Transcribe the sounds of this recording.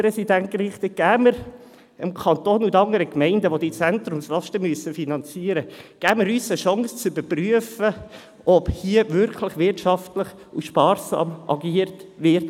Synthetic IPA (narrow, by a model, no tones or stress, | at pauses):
pɾɛsidænt̚kɾɪχt̪əɡ̥æːməɾ | əmkʰɑnt̪oːnudɑŋəɾəkmɛɪndəʋod̥it͡sæntɾʊmslɑʃtəmyəsəfinɑnt͡siːəɾəɡ̥æːməɾyːsəʃɑŋst͡sybəɾpryəfə | ʔɔphiəʋʏɾkʰləχʋɪrtʃɑftləχ | uʃpɑːrsɑ̰ːmʔɑ̰ɡiːəɾtʋɪɾt